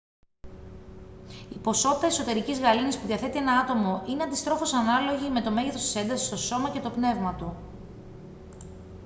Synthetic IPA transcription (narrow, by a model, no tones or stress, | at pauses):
ipo̞so̞t̪it̪ɐeso̞t̪e̞ɾicizɣɐlinispuðiɐθe̞t̪ie̞nɐɐt̪o̞mo̞ʔine̞ɐnd̪ist̪ɾo̞fo̞sɐnɐlo̞ʝime̞t̪o̞meʝeθo̞st̪i̥se̞nd̪ɐsist̪o̞so̞mɐce̞t̪o̞pne̞vmɐt̪u